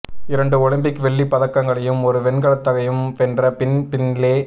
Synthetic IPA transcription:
ɪɾɐɳɖɯɔɻɐmbɪkːɯʋɛɭːipɐðɐkːɐŋɡɐɭɐjɯmɔɾɯʋɛnɡɐɭɐt̪ːɐɣɐjɯmɛndrɐpɪnpɪnleː

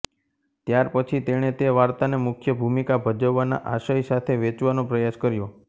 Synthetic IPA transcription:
t̪jaɾpət͡ʃʰit̪eɽ̃et̪eʋaɾt̪anemʊkʰjəbʱumikabʱəd͡ʒəʋːana̰ʔaʃəjsat̪ʰeʋet͡ʃʋanõpɾəjaskəɾjo

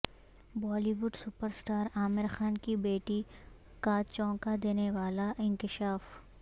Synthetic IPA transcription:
bɔːliʋʊɖsʊpəɾsʈaːɾaːmɪɾxaːnkibeːʈi | kat͡ʃɔ̃ːkad̪eːneʋaːlaʔɪ̃nkɪʃaːf

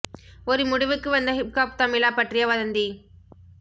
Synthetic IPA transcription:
ɔɾɯmʊɽɯʋɯkːɯʋɐnd̪ɐɦɪp̚kaːp̚t̪ɐmɪlaːpɐʈrɪjɐʋɐðɐnd̪i

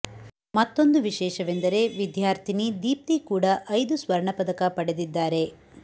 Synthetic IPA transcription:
mɐt̪ːo̞nd̪uʋiʃɛːʃɐʋend̪ɐɾe̞ʋid̪ʱjaːɾt̪ʰinid̪iːp̚t̪ikuːɽɐʔɐjd̪usʋɐɾɳɐpɐd̪ɐkɐpɐɽe̞d̪id̪ːaːɾe̞

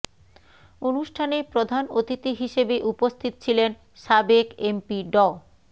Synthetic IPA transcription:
onuʃʈʰanepɾod̪ʱanot̪it̪iɦiʃebeʔupost̪ʰit̪o̥t͡ɕʰilen | ʃabekempiɖɔ

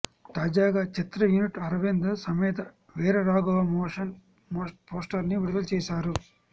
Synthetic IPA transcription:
t̪aːd͡ʒaːɡaːt͡ʃit̪ɾɐjuniʈɐɾɐʋend̪ɐsɐmɛːt̪ɐ | ʋɛːɾɐɾaːɡɐʋɐmoːʂɐn | mopoːsʈɐɾniʋiɽɐd̪ɐlt͡ʃɛːʃaːɾu

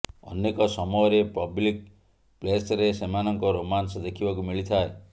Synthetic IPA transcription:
ɔ̰nekɔsɔmɔɦɔɾepɔblik̚ | plesɾesemanɔŋkɔɾomansɔd̪ekʰibakumiɭit̪ʰae

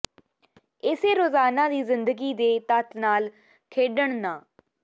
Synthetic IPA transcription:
ɪseːɾoːzaːnãːd̪iːzɪnd̪əɡiːd̪eːt̪ət̪naːl | kʰeːɖəɳnãː

